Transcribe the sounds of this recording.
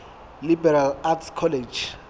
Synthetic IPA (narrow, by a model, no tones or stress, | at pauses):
libɛɾalatskʰɔled͡ʒ